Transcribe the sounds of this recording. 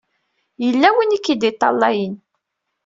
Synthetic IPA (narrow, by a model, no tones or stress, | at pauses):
jəlːæwinikːid̪it̪ˤːɑ̰lːɑjən